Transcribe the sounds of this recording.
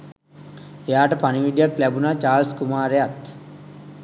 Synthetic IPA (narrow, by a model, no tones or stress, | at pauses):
ejaːʈəpaniʋiɖijaklæbunaːt͡ʃaːlskumaːɾeat̪